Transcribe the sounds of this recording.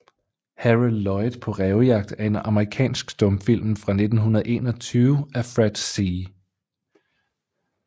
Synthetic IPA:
hæʁilːɒ̽ɪd̥pʰɒ̽ʁɛːʊjɑ̈ɡ̥̚d̥æɐe̝nɑ̈məʁikʰɛ̰ːnsɡ̥sd̥ɔ̽mfil̰m̩fʁɑ̈ne̝d̥n̩ɦunɐð̩ˠʔe̝̰ːnɒ̽t͡sʰyːʊæfʁɛd̥siː

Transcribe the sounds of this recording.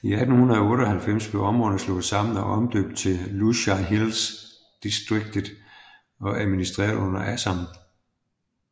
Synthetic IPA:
iæd̥n̩hunɐðˠɒɔ̽ːɾɒ̽hælfem̰sb̥e̝ʊɒ̽mʁɔ̽ð̩ˠəslɔ̰̽ːsɑ̈mn̩ɒʔɒ̽md̥ø̰ːb̥d̥̚t͡sʰe̝luɕɑɦils | d̥isd̥ʁeɡ̥̚d̥ðˠ | ɒ̽ʔæðˠminisd̥ʁɛ̰ːɐð̩ˠɔ̽n̰ɐʔæsɑm

